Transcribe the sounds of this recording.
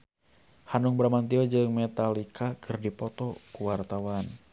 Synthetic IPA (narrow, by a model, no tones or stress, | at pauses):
hanuŋbɾamant̪iɔd͡ʒɨŋmɛt̪alikʰakɨrdipɔt̪ɔkuwart̪awan